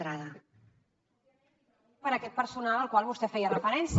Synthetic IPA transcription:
ɾaðə | pəɾəkɛt̪̚pəɾsunalˠəlˠkwalˠβust̪ɛfɛjərəfəɾɛns

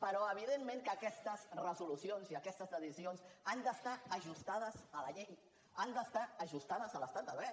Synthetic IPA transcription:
pəɾɔəβ̞iðenmẽŋkəkɛst̪əzrəzulusionziəkɛst̪əzðəðisionsand̪əst̪aəʒust̪aðəzələʎej | and̪əst̪aːʒust̪aðəzələst̪at̪d̪əɛ

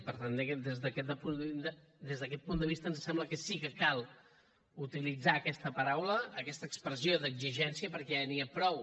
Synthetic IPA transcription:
pəɾt̪and̪ekəd̪ezðəkɛəpund̪d̪ezðəkɛt̪̚pund̪əβ̞ist̪ənzsɛmbləkəsikəkalˠ | ut̪ilid͡zaːkɛst̪əpəɾawləːkɛst̪əkspɾəzioðəɡziʒɛnsiəpəɾkɛniəpɾɔw

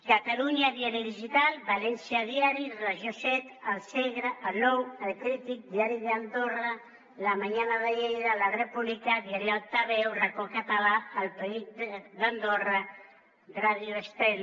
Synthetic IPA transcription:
kat̪aluɲaðiaɾjiðiʒit̪albalɛnsjaðjaɾiraʒjosɛt̪alsɛɣɾaʔanɔwalkɾit̪ik̚d̪iaɾiðeand̪ora | lamaɲanaðajɛjðɾalarepuβlikaðiaɾialt̪aβɛwrakokat̪alaalpaid̪and̪ora | raðjuest̪ɛl

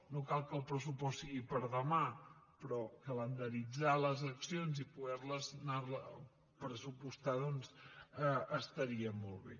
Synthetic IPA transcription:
nokalˠkəlˠpɾəsupɔssiɣipəɾðəmapɾɔkələnd̪əɾid͡zaləzəksionzipuɣɛɾləznarlə | pɾəsupust̪aðɔnzəəst̪əɾiəmolˠβḛ

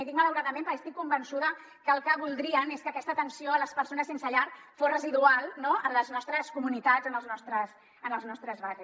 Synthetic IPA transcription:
it̪ikmələwɾaðəmẽmpəɾkəst̪ikːumbənsuðə | kəːlˠkəβulˠd̪ɾiəneskəːkɛst̪ət̪ənsioələspəɾsonəsensəʎaɾ | fozrəziðualˠnoənləznɔst̪ɾəskumunit̪ad͡zənəlˠznɔst̪ɾəs | ənəlˠznɔst̪ɾəzβariss

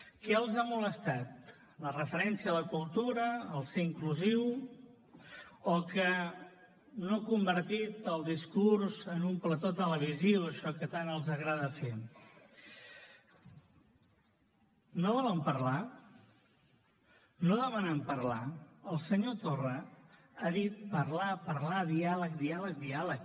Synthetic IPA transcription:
kɛəlˠzamuləst̪at̪ | lərəfəɾɛnsiələkulˠt̪uɾəːlˠseiŋkluziw | okə | nokumbəɾt̪it̪əlˠd̪iskuɾzənumplət̪ot̪ələβ̞iziwəʃɔkət̪anəlˠzəɣɾaðəfe | noβɔləmpəɾla | noðəmənəmpəɾlaəlˠsəɲot̪orə | aðit̪̚pəɾlapəɾlaðialək̚d̪ialək̚d̪ialək

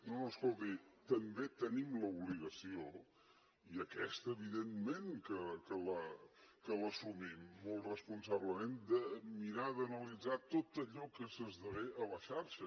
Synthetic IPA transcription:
nonoəskolˠt̪it̪əmbet̪ənimləuβliɣəsio | iəkɛst̪əβ̞iðenmenkəkələkələsumimːolˠt̪rəspunsaβləmend̪əmiɾaðənəlid͡zat̪ot̪əʎɔkəsəzðəβeʔələʃaɾʃə

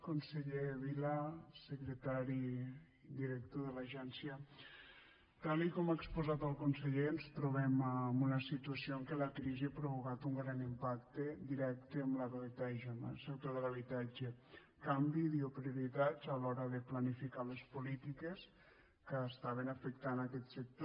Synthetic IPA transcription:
konseʎeβilasəkɾet̪aɾi | d̪iɾek̚t̪oðelaʒɛnsjə | t̪alikɔmaekspuzat̪əlˠkunseʎenst̪ɾuβ̞ɛmamunəsit̪uasioŋkelakɾiziapɾoβ̞ukat̪uŋɡɾanimpakt̪ed̪iɾɛk̚t̪eamləβelit̪aʒonaset̪oðəlaβ̞it̪ad͡ʒe | kambiðiopɾiuɾit̪azalɔɾəðeplanifikalespulit̪ikes | kəːst̪aβ̞enafəkt̪anakɛt̪sek̚t̪o

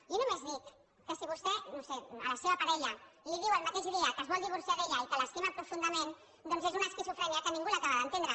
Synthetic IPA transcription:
inumezðikː | əsiβust̪ɛnoseə̰ləseβəpaɾɛʎəliðiwəlˠmat̪eʃðeəkəzβɔlˠd̪iβ̞uɾsiaðeʎəikələsk̪imapɾufund̪əmen | d̪ɔnzezunaskisufɾɛɲiakənĩŋɡulakaβəðənt̪end̪ɾə

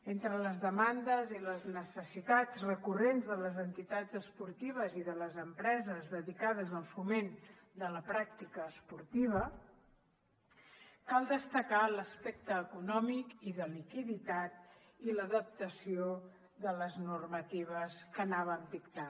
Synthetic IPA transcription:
ent̪ɾələzðəmand̪əziləznəsəsit̪ad͡zrəkurenzðələzənt̪it̪ad͡zəspuɾt̪iβ̞əziðələzəmpɾɛzəzðəðikað̞əzəlˠfumen | d̪ələpɾak̚t̪ikəːspuɾt̪iβ̞ə | kalˠd̪əst̪əkaləspɛk̚t̪əːkunɔmikiðəlikiðit̪at̪̚ | iləðəp̚t̪əsio | ðələznurmət̪iβ̞əskənaβəmd̪ikt̪a

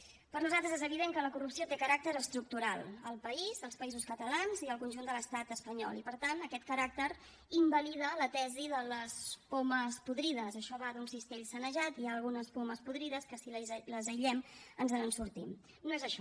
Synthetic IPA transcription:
pəɾnuzalt̪ɾəzezəβiðeŋkələkurupsiot̪ekəɾak̚t̪əɾəst̪ɾuk̚t̪uɾalˠəlˠpəizəlˠspəizuskət̪əlanziəlˠkunʲʒund̪ələst̪at̪əspəɲɔ̰lˠipəɾt̪anəkɛt̪̚kəɾak̚t̪əɾ | imbəliðələt̪ɛziðələspoməspuðɾiðəzəʃɔβaðunsist̪eʎsənəʒat̪iaːlˠɣ̞unəspoməspuðɾiðəskəsiləzəjʎɛmənzənənsuɾt̪im | noezəʃɔ

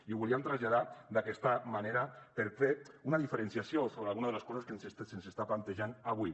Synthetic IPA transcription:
iβuliamt̪ɾazʎað̞ad̪akɛst̪amaneɾapeɾfeunaðifeɾensjasjosoβɾealˠɣunaðələskɔzaskensest̪sensest̪aplant̪eʒanaβwi

